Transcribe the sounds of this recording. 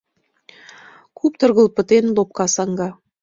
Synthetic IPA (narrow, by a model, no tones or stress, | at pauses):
kʰupt̪ɤ̆rɣə̆lˠpə̆t̪enlop̚kɑsɑŋɡɑ